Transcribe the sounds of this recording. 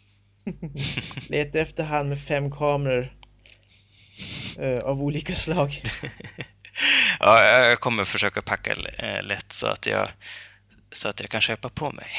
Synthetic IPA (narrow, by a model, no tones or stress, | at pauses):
lʔeːt̪ːəɛft̪əɾɦand̪mɛfɛmːkʰɑːmɾaɾ | avuːliːkaslɑːɡ | ʔɑːjɑjɑɡkʰɔmːəɾfœʂøːkapʰakːa̰lɛt̪ːsɔ̰a̰t̪ʰjɑ̰ː | sɔat̪jɑːkʰanɕøːpapʰɔmʔɛ̰j